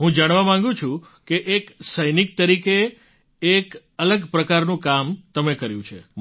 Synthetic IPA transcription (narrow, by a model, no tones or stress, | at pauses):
ɦũd͡ʒaɽ̃ʋamãŋɡũt͡ʃʰũ | keʔeksəjnik̚t̪əɾikeː | k | ələɡpɾəkaɾnũkamt̪əmekəɾjṵ̃t͡ʃʰe